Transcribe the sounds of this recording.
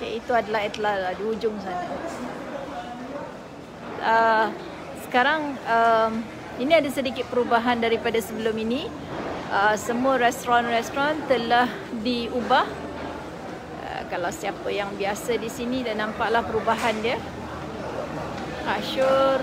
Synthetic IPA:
kait̪uadalaɦjat̪əlahdiud͡ʒʊŋs̬ana | ə | sə̥kaɾaŋəm | inĩadasədikɪt̪̚pəɾubaɦandaɾipadasəbəlʊmini | ʔəsəmuəɾɛst̪ɾɔnrɛst̪ɾɔnt̪əlah | diubah | ə̰kalawsiapəjaŋbiasadisinidanːãmpaʔlahpəɾubaɦandiə | kaʃʊr

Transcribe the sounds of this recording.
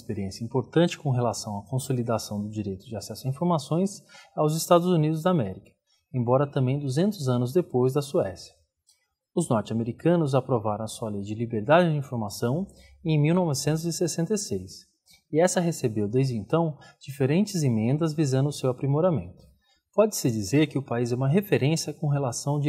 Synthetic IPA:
ɪspeɾiẽsjɐĩmpoɾt̪ɐ̃nt͡ʃɪ̥kõɦelasɐ̃w̃ɐkõsolid̪asɐ̃w̃d̪ʊd͡ʒiɾejt̪ʊd͡ʒɪasɛsʊɐĩfoɾmasõj̃sawzɪst̪ad̪ʊzunid̪ʊzd̪amɛɾikɐ̥ | ẽj̃bɔɾɐt̪ɐ̃mbẽj̃d̪uzẽnt̪ʊzɐ̃nʊzd̪epojzd̪ɐsuɛsjɐ̥ | ʊznɔɾt͡ʃɪameɾikɐ̃nʊzapɾovaɾõw̃ɐsuɐlejd͡ʒɪlibeɾd̪ad͡ʒɪd͡ʒɪĩfoɾmasɐ̃w̃ | ẽj̃miwnɔvɪsẽnt̪̬ʊzɪsesẽnt̪ejsejs | ɪɛsɐɦesebewd̪ejzd͡ʒɪẽnt̪ɐ̃w̃d͡ʒifeɾẽnt͡ʃɪzẽmẽnd̪ɐzvizɐ̃nd̪ʊʊsewapɾimoɾamḛ̃nt̪ʊ̥ | pɔd͡ʒɪsɪd͡ʒizeɾkɪʊpaizɛũmɐɦefeɾẽsjɐkõɦelasɐ̃w̃d͡ʒ

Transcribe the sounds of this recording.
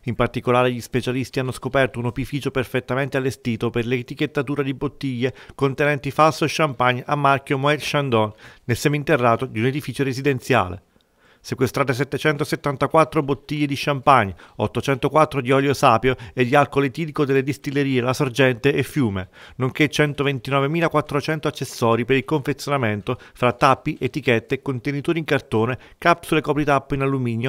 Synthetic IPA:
impart̪ikolaːɾeʎispet͡ʃalist̪ianːoskopɛrt̪ounopifiːt͡ʃoperfet̪ːament̪ealːest̪iːt̪operlet̪ik̟et̪ːat̪uːɾad̪ibot̪ːiʎːekont̪enɛnt̪ifalsoʃːampaɲːa̰mːarkjomoɛlʃand̪ɔnːelsɛmeint̪erːaːt̪od̪iuned̪ifiːt͡ʃoɾezid̪ent̪sja̰ːlḛ | sekwest̪ɾaːt̪es̬ɛt̪ːet͡ʃɛnt̪oset̪ːant̪akwat̪ːɾobot̪ːiʎːed̪iʃampaɲːɔ̰t̪ːot͡ʃɛnt̪okwat̪ːɾod̪iɔljosaːpjoed̪ːialkolet̪iːlikod̪elːed̪ist̪ilːeɾiːelasord͡ʒɛnt̪eʔːfːjuːmenoŋk̟et͡ʃɛnt̪ovent̪inɔːvemiːlakwat̪ːɾot͡ʃɛnt̪oat͡ʃːesːɔːɾipeɾilkoɱfet̪sjonament̪ofɾat̪ːapːiʔet̪ːikɛt̪ːekont̪enit̪oːɾiŋkart̪oːne | kapsulekɔpɾit̪apːinalːumiːnjo

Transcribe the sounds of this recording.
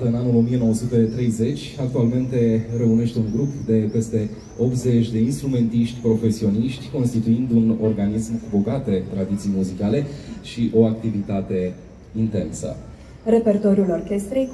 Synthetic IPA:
əɨnanulo̞mije̞no̞wəsut̪et̪ɾe̞jze̞t͡ʃʲak̚t̪ualme̞nt̪e̞ɾeune̞ʃt̪e̞uŋɡɾupd̪e̞pe̞st̪e̞ | o̞pt̪ze̞t͡ʃʲd̪e̞inst̪ɾume̞nt̪iʃt̪ʲpɾo̞fe̞sio̞niʃt̪ʲko̞nst̪it̪uind̪uno̞rɡanismkubo̞ɡat̪e̞t̪ɾad̪it̪sijmuzikale̞ʃiʔo̞ak̚t̪ivit̪at̪e̞ | int̪e̞̰nsə̰ | re̞pe̞rt̪oɾjulo̞rkʲe̞st̪ɾej

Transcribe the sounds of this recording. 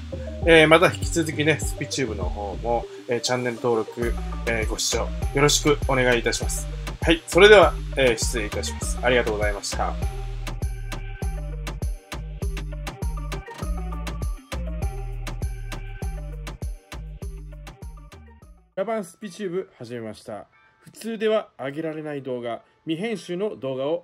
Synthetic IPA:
eːmat̪açi̥kʲi̥t͡sɨzɨk̬ʲine̞sɨ̥pʲit͡ɕɨːbɯ̟no̞̰ho̞ːmo̞ | eːt͡ɕãnːe̞ɾɯ̟t̪o̞ːɾo̞kɯ̟eːɡo̞ɕi̥t͡ɕo̞ːjo̞ɾo̞ɕi̥kɯ̟o̞ne̞ɡaiːt̪aɕimasɨ̥haiso̞ɾe̞d̪e̞β̞aeːɕi̥t͡sɨe̞it̪aɕimasɨ̥aɾʲiɡat̪o̞ːɡo̞zaimaɕi̥t̪a̰ | ɾabãɰ̃sɨ̥pʲit͡ɕɨːbɯ̟haʑime̞maɕi̥t̪a̰ | ɸɯ̟̥t͡sɨːd̪e̞β̞aːɡe̞ɾaɾe̞naid̪o̞ːɡa | mʲiɦẽ̞ɰ̃ɕɨːno̞d̪o̞ːɡao̞

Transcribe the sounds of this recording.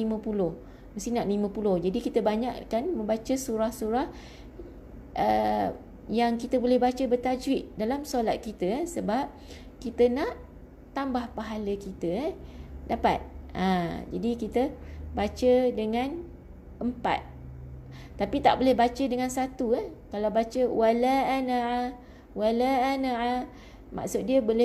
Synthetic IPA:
limə̃pulʊh | məst̪inaʔlimə̃pulʊhd͡ʒadikit̪əbaɲaʔkanmə̃mbat͡ʃəsuɾahsuɾah | ʔə | jaŋkit̪əbolɛhbat͡ʃəbərt̪ad͡ʒwɪʔ̚dalamsolat̪̚kit̪əsəbap̚ | kit̪ənaʔ | t̪ambahpaɦaləkit̪ə | dapa̰t̪̚ã̰d͡ʒadikit̪əbat͡ʃədəŋãn | ʔəmpa̰t̪̚ː | apit̪a̰ʔbolɛhbat͡ʃədəŋãnsat̪uakalawbat͡ʃəwalaːna | walaːnaa | mʔa̰ʔsʊt̪̚diəbolɛ

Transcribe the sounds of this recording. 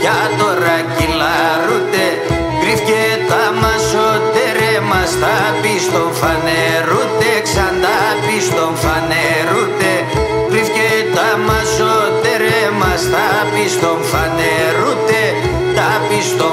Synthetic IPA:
cɐt̪oɾɐcilɐɾut̪e | kɾifcet̪ɐmɐsot̪eɾemɐst̪ɐ | pist̪oɱfɐne | ɾut̪eksɐnd̪ɐ | pist̪oɱfɐne | ɾut̪e | kɾifcet̪ɐmɐsot̪eɾemɐst̪ɐpist̪oɱfɐne | ɾut̪e | t̪ɐpist̪o

